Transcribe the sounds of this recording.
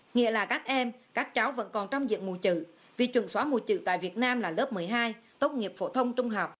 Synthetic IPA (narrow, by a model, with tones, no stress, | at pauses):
ŋḭ˧˨əlaː˨˩kaː˦˥k̚ʔɛ˧mkaː˦˥k̚t͡ɕa˨˦wvə̰˧˥nkɔ˨˩nt͡ɕɔ˧wŋ͡mzḭ˧˨əŋmṵ˨˧˩t͡ɕɨ̰˧˨ | vi˨˩t͡ɕwə̰˧˩nswaː˨˦mṵ˨˩t͡ɕɨ̰˧˨t̪a̰ː˧˨jvi˨˩ət̚naː˧mlaː˨˩lə˦˥p̚mɨ˨˩əjɦaː˧jt̪o˦˥t̚ŋi˨˩əp̚fo̰˧˩t̪ʰə˧wŋ͡mt͡ɕʊ˧ŋ͡mɦɔ˨˩wk͡p̚